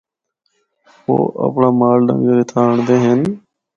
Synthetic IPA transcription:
po̰ːʔə̰pɳaːmaːlɖə̰̃ŋɡəɾɪt̪ʰaːɳd̪eːɦen

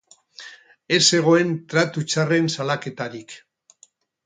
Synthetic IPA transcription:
e̞se̞ɣ̞o̞e̞nt̪ɾat̪ut͡ʃare̞nsalake̞t̪aɾik

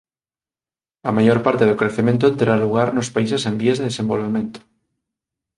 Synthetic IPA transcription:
amajoɾpaɾt̪eðokɾeθemẽnt̪ot̪eɾɾaluɣ̞aɾnospaisesẽmbiezðeðesembolβemẽnt̪o̥

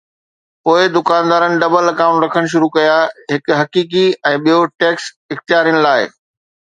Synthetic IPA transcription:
poːɪd̪ʊkaːnd̪aːɾənɪ̆ɖɐbəlɐkãːʊ̃ɳʈɾɐkʰəɽ̃ʃ̬ʊɾukɐjaɦɪkɦɐkiːk̬iɛ̃ːɓijoʈeːks | ɪxt̪ijaːɾijənɪlaːɪ̰

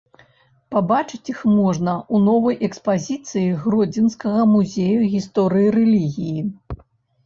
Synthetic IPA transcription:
pabat͡ʂɨt͡sʲixmɔʐnɐʔunɔvɐjʔɛkspazʲit̪sɨjiɣrɔd͡zʲinskɐɣɐmuzʲejuɣʲist̪ɔɾɨjiɾɛlʲiɣʲiji

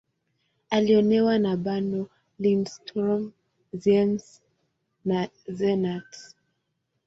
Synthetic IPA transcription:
aliɔnɛwanaɓanɔ | linstɾɔm | zɛms | na | zɛnat

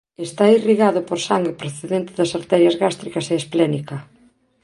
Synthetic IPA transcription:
est̪airiɣaðʊpoɾsaŋɡepɾoθeðent̪ɪðɐsaɾt̪ɛɾjɐzɣast̪ɾikɐseːsplɛnikɐ

